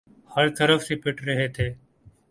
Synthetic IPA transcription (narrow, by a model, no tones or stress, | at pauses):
həɭt̪əɾəfsiːpɪʈɾəɦeːt̪ʰeː